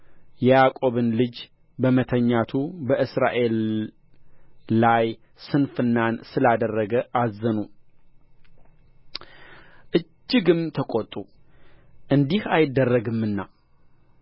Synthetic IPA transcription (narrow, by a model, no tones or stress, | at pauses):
jɛjakʼo̞βɨnlɨd͡ʒ | bəmət̪ʰəɲːat̪ʰubəʔɨsɾa̰ʔe̞l | aj | sɨnfɨnːansɨlad̪ərːəɡəʔazːənu | ʔɨd͡ʒːɪɡɨmt̪ʰəkʼot̪ʼːu | ʔɨnd̪ihajɪd̪ːərːəɡɨmːɨnːa